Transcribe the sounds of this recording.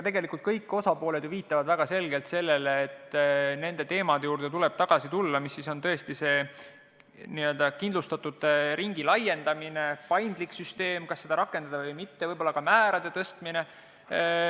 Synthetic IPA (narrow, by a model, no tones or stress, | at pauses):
jɑt̪e̞ɡe̞likˑult̪̚kɤjkːˑo̞sɑpo̞ːled̪juviːt̪ːˑɑvɑd̪væɡ̥ɑse̞lɡe̞lt̪se̞lːe̞leːt̪ːne̞nd̪e̞t̪e̞ːmɑd̪ejuːrd̪̥e̞t̪ule̞b̥t̪ɑɡ̥ɑsit̪ulːɑmisːiso̞nt̪ɤ̞e̞st̪ise̞ː | niø̞ld̪ɑkind̪lust̪ɑt̪ːˑud̪̥ɾiŋɡilɑjːe̞nd̪̥ɑmine̞pɑjnd̪̥liksyst̪e̞ːmkɑsːe̞d̪ɑɾɑkːˑe̞nd̪̥ɑd̪ɑvɤjmit̪ːe̞vɤjbo̞lːɑkɑmæːɾɑd̪̥e̞t̪ɤst̪mine̞